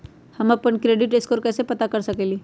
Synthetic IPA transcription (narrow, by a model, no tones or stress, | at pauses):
həmapəɳkɾeɖiʈeskoɾkəjsepət̪akəɾsəkeliː